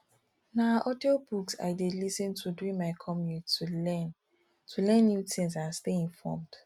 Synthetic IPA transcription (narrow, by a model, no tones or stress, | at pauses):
naʔɔdebuksa̰ɪdelisə̃ntʰuduĩnmaɪkʰɔmutn | tʰulɛ̃nːjutʰĩŋsãnsteĩnfɔ̰md̥